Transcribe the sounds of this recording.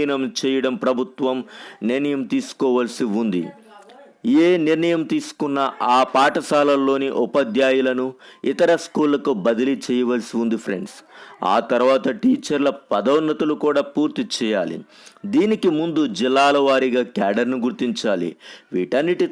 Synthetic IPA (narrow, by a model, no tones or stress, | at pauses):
nɐmt͡ʃɛːjɐɽɐmpɾɐbʱut̪ʋɐmniɾɳɐjɐmt̪iːsu̥kɔːʋɐlɐsiund̪ḭ | eːniɾɳɐjɐmt̪iːsu̥kunːɐʔaːpaːʈɐsaːlɐlːo̞ːniʔupɐd̪jaːjulɐnuit̪ɐɾɐskuːlːɐkubɐd̪ɐlit͡ʃɛːjɐʋɐlsiund̪ipʰɾḛɳɖsa̰ːt̪ɐɾuʋaːt̪ɐʈiːt͡ʃɐɾlɐpɐd̪ɐwnːɐt̪ɐlukuːɽaːpuːɾt̪it͡ʃɛːjaːlḭ | d̪iːnikimund̪ud͡ʒilːaːlɐʋaːɾiɡaːkaːɖɐɾnuɡuɾt̪iɲt͡ʃaːlḭʋiːʈɐnːiʈi